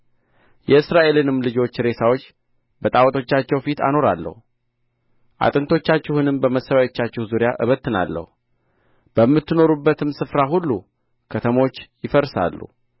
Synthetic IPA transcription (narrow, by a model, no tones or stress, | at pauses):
jɛɨsɾaʔe̞lɨnɨmːlɨd͡ʒo̞t͡ʃːɾe̞sawo̞t͡ʃː | bət̪ʼawt̪ʰʼo̞t͡ʃːat͡ʃːɛwfit̪ʰa̰no̞ɾalːə̰hu | ʔa̰t̪ʼɨnt̪ʰo̞t͡ʃːat͡ʃːɛhɨnɨmbəməsːəβajot͡ʃːat͡ʃːɛhzuɾjaʔɨ̰βət̪ːɨna̰lːə̰hu | b̥əmːɨt̪ːɨno̞ɾubːət̪ʰɨmsɨfɾaɦulːu | kʰət̪ʰəmo̞t͡ʃːjɪfəɾsa̰lːṵ